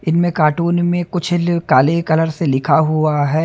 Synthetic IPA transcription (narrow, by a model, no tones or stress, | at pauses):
ɪnmẽkaːʈuːnmẽkʊt͡ʃʰkaːlekɐləɾselɪkʰaɦuaɦɛː